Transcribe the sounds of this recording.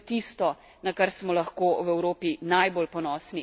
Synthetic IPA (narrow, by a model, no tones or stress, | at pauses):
t̪ist̪ɔ | nakaɾsmɔlɐxkoːwɛwɾoːpinajboːlpɔnɔːsni